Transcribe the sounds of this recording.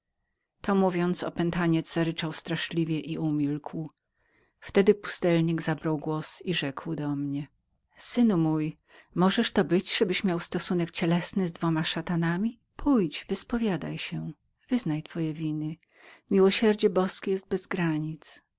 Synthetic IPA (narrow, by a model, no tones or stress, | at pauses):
t̪ɔmuvʲjɔnt̪sɔ̰pɛnt̪aɲɛd̪z̥zaɾɘt͡ʂawst̪ɾaʂlʲivʲjɛʔiumʲilkw | ft̪ɛd̪ɘpu̥st̪ɛlɲiɡzabɾawɡwɔsiʐɛkwd̪ɔmɲɛ | sɘnumuj | mɔʐɛʂt̪ɔbɘt͡ɕʐɛbɘɕmʲjawst̪ɔsunɛk̚t͡ɕɛlɛsnɘzd̪vɔmaʂat̪anamʲi | pʰujt͡ɕvɘspɔvʲjad̪a̰jɕɛ | v̥ɘznajt̪fɔjɛvʲinɘ | mʲiwɔɕɛɾd͡ʑɛbɔskʲɛjɛst̪̚bɛzɡɾaɲit̪s